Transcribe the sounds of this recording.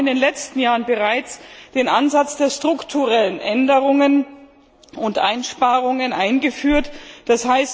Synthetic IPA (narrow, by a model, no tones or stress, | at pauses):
ɪndeːnlɛt͡stn̩jaːʁənbəʁaɪt͡sd̥eːnʔanzat͡sd̥eːɐstʁ̥ʊktʰuʁɛlənʔɛndəʁʊŋən | ʊntʔa̰ɪnʃpaːʁʊŋənʔaɪnɡəfyːɐtd̥ashaɪst